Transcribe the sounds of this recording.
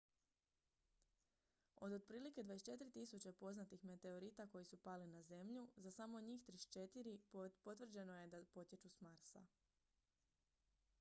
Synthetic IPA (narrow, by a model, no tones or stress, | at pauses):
o̞d̪od̪̚pɾiːlike̞d̪ʋaest͡ʃe̞t̪iɾit̪isut͡ɕepo̞znat̪ixme̞t̪e̞o̞ɾit̪ako̞jisupalinaze̞mʎuzasamo̞ɲiːxt̪ɾiʃt͡ʃe̞t̪iɾipo̞t̪ʋr̩d͡ʑe̞no̞je̞d̪apo̞t̪je̞t͡ʃusmaɾsa̰